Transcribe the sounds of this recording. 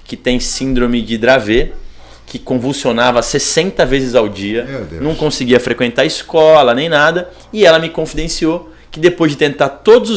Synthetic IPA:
kɪt̪ẽj̃sĩnd̪ɾõmɪd͡ʒɪd̪ɾave | kʰɪkõvuwsionavɐsesẽnt̪ɐvezɪzawd͡ʒiɐmed̪̰nɐ̃w̃kõsɪɡiɐfɾekwẽnt̪aɾɐɪskɔlɐnẽj̃nad̪ɐ | ɪɛlɐmɪkõfid̪ẽsio | kɪd̪epojzd͡ʒɪt̪ẽnt̪aɾt̪od̪ʊzʊ

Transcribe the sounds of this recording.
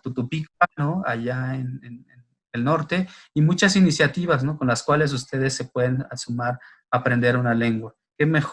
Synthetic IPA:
t̪ut̪upikanoaʝaenenen | elno̞ɾt̪e̞imũt͡ʃasinisjat̪iβas̬no̞konlaskwale̞s̬ust̪e̞ð̞e̞sːe̞pwe̞ðenasumaɾ | apɾend̪e̞ɾunale̞ŋɡwa | ke̞me̞x

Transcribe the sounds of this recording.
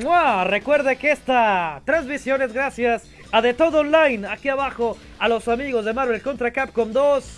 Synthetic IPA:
warekwe̞ɾðekest̪at̪ɾezβisjo̞ne̞zɡɾasjas | aðe̞t̪o̞ðoonlajnakiaβaxo | alo̞samiɣo̞zðe̞maɾβelko̞nt̪ɾakap̚komd̪os

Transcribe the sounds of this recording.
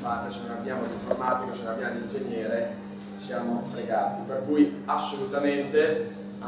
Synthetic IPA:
farːesenõnabːjaːmoliɱformaːt̪ikosenõnabːjaːmolind͡ʒeɲjɛːɾe | sjaːmofɾeɡaːt̪iperkuj | asːolut̪ament̪e | a

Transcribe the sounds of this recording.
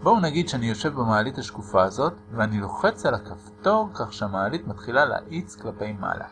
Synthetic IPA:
bounaɡid̪ʃeanijo̞ʃe̞vbemaalithaʃkufaːzo̞tveanilo̞χe̞t͡salakafto̞kaχʃeamaalitmatχilala̰ʔit͡sklape̞jma̰la̰

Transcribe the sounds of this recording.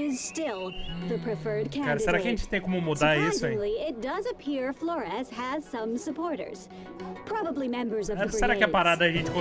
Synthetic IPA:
ɪz̥stɪlˠðɨpʰɹ̥ɨfɜ˞d̚kʰæ̃kaɾɐseɾakɪɐʒẽnt͡ʃɪ̥t̪ẽj̃komʊmud̪aɾisʊzɪ̃ŋliɪt̚d̥ʌzɨpʰiɹflɔɹɛz̥ɨz̥sʌ̃msɨpʰɔɹɾə̰˞z̥ | pʰɹ̥ɑbəblimɛ̃mbə˞zʌvseɾakɪɛpaɾad̪ɐːʒẽnt͡ʃɪ̥kõ

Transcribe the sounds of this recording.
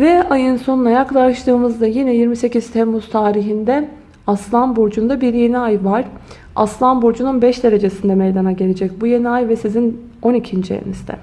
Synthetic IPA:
vɛajɯnso̞nunajaklˠaɾʃlˠɯːmɯzd̪ajinɛjiɾmise̞ciz̥t̪ʰɛɾmuz̥t̪ʰaːɾiɦind̪ɛ | aslˠanbuɾd͡ʒund̪abiɾje̞niajvaɾ̥ | a̰slˠanbuɾd͡ʒununbɛʃd̪e̞ɾe̞d͡ʒe̞sind̪ɛmɛjd̪anaɟe̞lʲe̞d͡ʒɛc̚buje̞niajvɛsizin | o̞nicʰind͡ʒijḛnizd̪ɛ̰

